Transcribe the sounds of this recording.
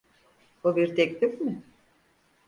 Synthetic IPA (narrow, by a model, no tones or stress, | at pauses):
bubiɾt̪ʰɛclʲifmɪ